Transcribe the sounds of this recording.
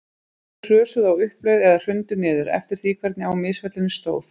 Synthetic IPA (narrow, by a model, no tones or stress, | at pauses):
r̥œːsʏðawʏhpleːjðɛðḁr̥ʏnt̪ʏnɪːðʏɾɛ̰ft̪ɪɾ̥θiːkʰvɛɾt̪nɪawmɪsvɛt̪lɪnɪst̪o̰ːwθ